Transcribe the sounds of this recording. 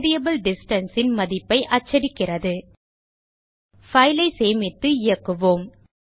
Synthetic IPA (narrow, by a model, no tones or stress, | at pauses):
ðɪjɐbɯlɖɪsʈɐnsɪnmɐðɪpːɐɪʔɐt͡ʃːɐɽɪkːɪrɐðɯ | fɐɪlɐɪseːmɪt̪ːɯɪjɐkːɯʋoːm